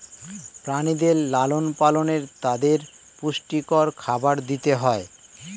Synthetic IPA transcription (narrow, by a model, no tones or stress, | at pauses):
pɾanid̪eɾlalonpaloneɾt̪ad̪eɾ | puʃʈikɔɾkʰabaɾd̪it̪eɦɔe